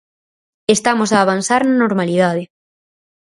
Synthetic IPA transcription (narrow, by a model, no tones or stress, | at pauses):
est̪amosaːβansaɾnanoɾmaliðað̞ɪ